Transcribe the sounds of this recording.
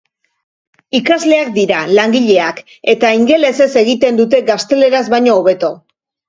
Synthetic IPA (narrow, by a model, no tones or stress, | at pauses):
ikazle̞ak̚d̪iɾalaŋɡiʎe̞ak | e̞t̪aiŋɡe̞le̞se̞se̞ɣit̪e̞nd̪ut̪e̞ɡast̪e̞le̞ɾazβajɲo̞ːβe̞t̪o̞